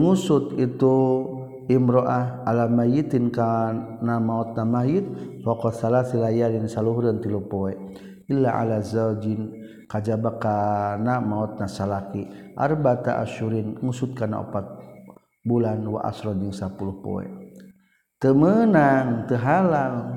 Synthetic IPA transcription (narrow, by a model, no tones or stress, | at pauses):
ŋusut̪it̪u | imɾɔʔahalamajit̪inkanamaɔt̪̚namaɦjit̪̚fɔkɔsalaθilajaɾinsaluɦɾənt̪ilupɔɛ | ilːaʔa̰lazad͡ʒin | kad͡ʒabakanamaɔt̪̚nasalakiʔa̰rbat̪a̰ʔa̰ʃuɾinŋusut̪̚kana̰ɔ̰pat̪̚ | bulanwa̰ʔa̰sɾɔnd͡ʒəŋsapuluhpɔ̰ɛ̰ | t̪əmənaŋt̪əɦalal